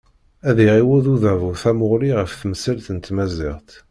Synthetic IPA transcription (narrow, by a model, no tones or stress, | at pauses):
æðiʁiwuðuðævuθæmʊʁliʁəfθmsælθənt̪mæzɪ̰ʁt̪